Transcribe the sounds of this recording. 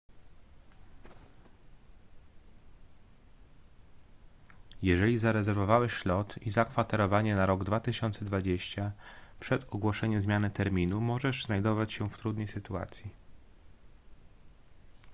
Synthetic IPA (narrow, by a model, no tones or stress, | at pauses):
jɛʐɛlʲizaɾɛzɛɾvɔvawɛʃlɔt̪izakfat̪ɛɾɔvaɲɛnaɾɔɡd̪vat̪ɘɕɔnt̪sɛd̪vad͡ʑeɕt͡ɕapʂɛt̪ɔɡwɔʂɛɲɛmzmʲjanɘt̪ɛɾmʲinumɔʐɛʐznajd̪ɔvat͡ɕɕɛft̪ɾud̪nɛjsɘt̪ua̰t̪sʲji